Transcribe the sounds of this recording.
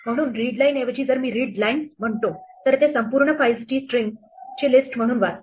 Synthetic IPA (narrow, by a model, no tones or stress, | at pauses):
m̤əɽ̃uːnɾiɖlaineʋəd͡ʑiːd͡zəɾmiːɾiɖlainm̤əɳt̪ot̪əɾt̪esəmpuːɾɳəfajsʈiːsʈɾiŋɡ | t͡ɕilisʈm̤əɽ̃uːnʋat̪